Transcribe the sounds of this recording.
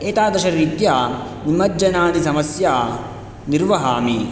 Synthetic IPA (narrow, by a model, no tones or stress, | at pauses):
eːt̪aːd̪ɐʃɐɾiːt̪jaː | nimɐd͡ʒɐnaːd̪isɐmɐsjaː | niɾʋɐɦaːmi